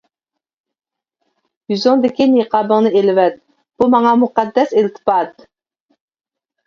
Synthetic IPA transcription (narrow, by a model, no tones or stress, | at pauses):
jyzɪŋd̪ɪkʲineqʰɑːbəŋnɨelɪvɛt̪̚ | b̥umɑŋɑmuqɑd̪ːɛsilt̪ʰɨ̥pɑt̪